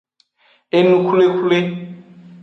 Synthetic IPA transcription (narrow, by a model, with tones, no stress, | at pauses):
e˦nu˦kʰu˦le˦kʰu˦le˦